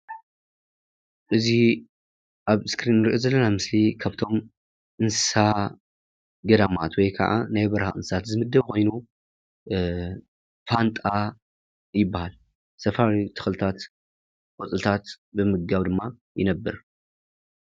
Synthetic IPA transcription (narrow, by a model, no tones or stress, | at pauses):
ʔɨzi | ʔaβskɾinːɨɾiʔozɐlːɐnamɨslikʰaβt̪ʰo̞m | ʔɨnssa | ɡɐd̪ɐmat̪wɔjkʰɐ̰ʕa̰najbɐɾahaɨnsɨ̥at̪zɨmɨd̪ːɐβkʰo̞jnu | fant̪ʼa | jɪbːahal | sɐfaɾit̪ʰɨ̥xlt̪ʰat̪ | kʼɔt͡sʼɨlt̪ʰat̪ | bɨmɨɡaβd̪ɨmːa | jɪ̰nɐbːɨɾ